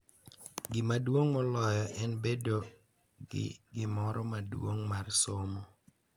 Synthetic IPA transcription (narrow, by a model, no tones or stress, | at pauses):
ɡɪmadwoŋmɔlɔjɔʔɛnbedo | ɡɪ̰ɡɪmɔɾɔmadwo̰ŋmarsomo